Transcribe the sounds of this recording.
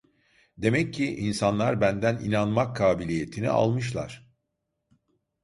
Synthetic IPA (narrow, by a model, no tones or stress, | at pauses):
d̪e̞mɛcʰːiʔinsanlˠaɾbænd̪ænḭnanmakʰːaːbilʲije̞t̪ʰinḭa̰lˠmɯʃ̬lˠa̰ɾ̝̥